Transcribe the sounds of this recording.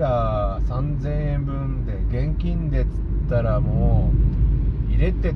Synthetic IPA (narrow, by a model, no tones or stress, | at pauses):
ɾasãnd͡zẽ̞ɰ̃ẽ̞mbɯ̟̃nd̪e̞ɡẽ̞ŋkʲĩnd̪e̞t͡sɨ̥t̪ːaɾamoː | iɾe̞t̪e̞